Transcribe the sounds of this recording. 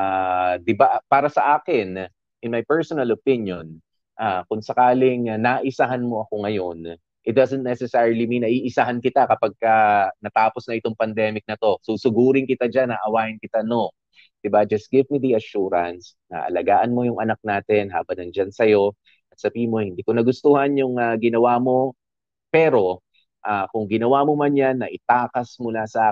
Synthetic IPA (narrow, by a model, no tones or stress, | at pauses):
ʔad̪ɪbapaːɾɐsɐʔaːkɪn | ʔɪnmajpɛɹsonɐlopɪnjon | ʔakʊŋsɐkaːlɪŋnaʔɪsaːɦɐnmo̞ʔɐko̞ŋɐjo̞n | ʔɪt̪̚d̪azɛ̃nt̪̚nɛsɛsɛɹliminɐʔiːʔɪsaːɦɐnkɪt̪akɐpɐɡ̚kɐnɐt̪aːposnɐʔɪt̪o̞ŋpɐnd̪ɛːmɪk̚nɐt̪o̞suːsʊɡuːɾɪŋkɪt̪ad͡ʒanɐʔɐwaːjɪnkɪt̪ano̞ | d̪̥ɪbad͡ʒɐst̪̚ɡ̥ɪvmid̪iɐʃuːɾɐns | nɐ̰ʔɐ̰lɐɡaːʔɐnmo̞jʊŋʔɐnɐk̚naːt̪ɛnɦa̰ːbɐŋnɐŋd͡ʒansɐjo̞ | ʔɐt̪̚sɐbiːmo̞hɪnd̪iːkonɐɡʊst̪uhɐnjʊŋaɡɪnɐwaːmo̞ | pɛɾo̞ | ʔaːkʊŋɡɪnɐwamomanjanːɐʔɪt̪aːkɐsmʊlasɐʔaː